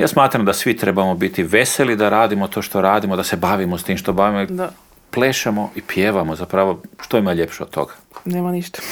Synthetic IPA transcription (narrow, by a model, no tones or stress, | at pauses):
ja̰ːsmaːt̪ɾamd̪asʋit̪ɾe̞bamo̞bit̪iʋe̞selid̪aɾaːd̪imot̪o̞ʃt̪o̞ɾaːd̪imod̪asebaʋimost̪iːmʃt̪o̞baʋimoid̪a | pleːʃamo̞ʔipjeʋamozapɾaʋoʃt̪oimaʎepʃeod̪̚t̪ːo̞̰ɡḁ | neːmaniʃt̪ḁ